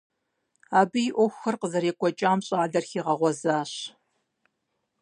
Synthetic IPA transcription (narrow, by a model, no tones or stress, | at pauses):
aːbɨjɪʔʷɔxʷxɐrqəzɐɾeːkʷʼɔt͡ʃʼaːmɕʼaːdɐrxiːʁɐʁʷɔzaːɕ